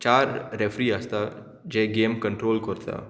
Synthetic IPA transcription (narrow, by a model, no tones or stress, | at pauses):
t͡ʃaːɾɾefɾiast̪a | d͡ʒeːɡeːmkə̃ɳʈɾoːlkəɾt̪a̰ː